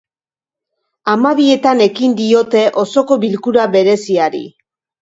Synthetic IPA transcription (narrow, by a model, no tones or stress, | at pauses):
amaβie̞t̪ane̞kind̪io̞t̪e̞ʔo̞so̞ko̞βilkuɾaβe̞ɾe̞siaɾḭ